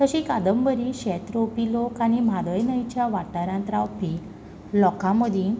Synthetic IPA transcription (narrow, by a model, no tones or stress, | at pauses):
t̪əɕĩkad̪əmbəɾiɕɛt̪ɾopilokañim̤ad̪əjnəjt͡ɕjaʋaʈaɾãnt̪ɾawpi | lɔkãməd̪ʱĩ